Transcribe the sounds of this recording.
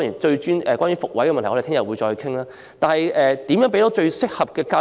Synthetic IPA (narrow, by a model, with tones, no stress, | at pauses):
ŋji˨˩nt͡ʃɵ˧ɥt͡ʃyː˥nʔɛ̰ː˨kwaː˥nɥyː˨˦fʊ˨k̚wɐ˨˥jkɛ˧mɐ˨t̪ʰːɔ˧e˨˩t̪ʰːjɐ˨˩wuː˨˧jt͡ʃɔː˧hkʰɪ˥ŋlaː˥ | t̪aː˨nhɐ˨jʔɛː˨t̪i˨˥mjœ˨˥ŋp̬e˥t̪oː˨˥t͡ʃɵ˧ɥsɪ˥k̚hɐ˨p̚kɛː˧kaː˧